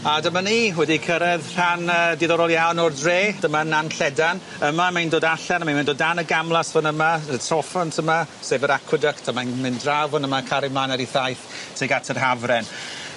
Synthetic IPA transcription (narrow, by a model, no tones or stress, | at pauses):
adəmaniːwɛdikʰəɾɛðr̥anəːdiðɔɾɔlˠjawnɔrdreːd̥əmananɬɛdan | əmamajndoːdaɬɛnəmaimɪndoːdanəɡamlˠasvənəmaətʰrɔfɔntʰəmasevəɾakʰwədəktʰamanmɪndrawvənəmakʰaɾɪmanɛɾiθajθtʰeɡatʰərɦavrɛn